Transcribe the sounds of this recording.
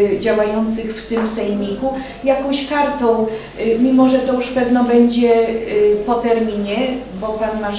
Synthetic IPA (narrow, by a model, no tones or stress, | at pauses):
d͡ʑawajɔnt̪sɘxft̪ɘmsɛjmʲiku | jakɔ̃w̃ɕkaɾt̪ɔ̃w̃ | mʲimɔʐɛt̪ɔjuʂpɛvnɔbɛɲd͡ʑɛ | pɔt̪ɛɾmʲiɲɛ | bɔpanːa